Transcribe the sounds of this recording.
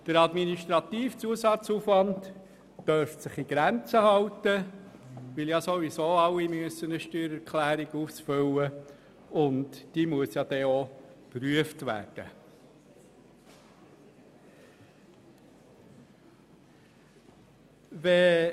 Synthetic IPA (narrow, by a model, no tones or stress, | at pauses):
d̥əɾɑdminiʃtɾɑt̪iːft͡suəsɑt͡suːfʋɑntː | œɾfsɪχiɡ̥ɾænt͡səhɑwt̪ə | ʋɪljɑsoʋisoːɑlːimyəsːənəʃtyːɾɛɾkχlæːɾiɡ̥uːfsfʏlːə | ʊntd̥iːmuəsjɑd̥̪ɛopɾyəftʋæ̰ːrd̥ə̰ | ʋɛ